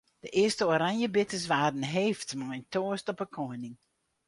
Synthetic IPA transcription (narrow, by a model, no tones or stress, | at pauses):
d̥əʔɪəstəoɾaŋjəbɪtəs̬ʋaːdn̩ɦeːftmɔjntʰoəstɔpəkʰɔjnɪŋ